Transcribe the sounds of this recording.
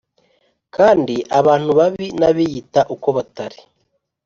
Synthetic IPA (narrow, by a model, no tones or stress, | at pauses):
kaːndiʔaβaːn̥uβaβinaβijitaʔuko̞βataɾi